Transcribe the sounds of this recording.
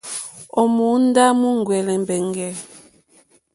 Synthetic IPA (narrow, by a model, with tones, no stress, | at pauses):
ɔ˨mu˨˦n˦da˦mu˦ŋ˨ɡwɛ˨lɛ˨m˨bɛ˨ŋɡɛ˨